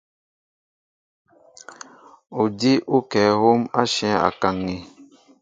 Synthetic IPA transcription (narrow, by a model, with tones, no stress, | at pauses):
u˨di˦ʔu˦kɛ˨˦ho˦ma˦ʃɛ̃˦a̰˨ka˨ŋːi˨